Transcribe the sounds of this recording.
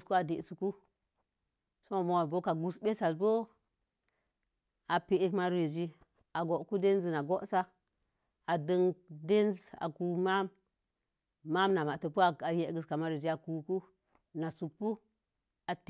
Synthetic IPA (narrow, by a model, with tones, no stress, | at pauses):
sku˦a˨di˨ʔsu˨ku˦ | so˦ma˨mo˨wa˨bo˦ka˨ɡu˨sbe˦sa˨sbo˦ | a˨pi˨e˦kma˦ɾe˨d͡ʒi˦ | a˨ɡo˨ʔku˦de˦n˦zi˨na˨ɡo˦ʔsa˦ | a˨də˦ŋde˦nza̰˨ku˨ma˦m | a˦mna˨ma˨tə˨pu˦a˨a˨je˦ɡə˨ska˨ma˦ɾe˨d͡ʒi˦a˨ku˨ku˦ | na˨su˨kpːu˦ | a˨t